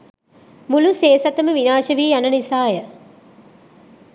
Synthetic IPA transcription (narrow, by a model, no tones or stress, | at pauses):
muluseːsɐt̪ɐməʋinaːʃɐʋiːjɐnɐnisaːjɐ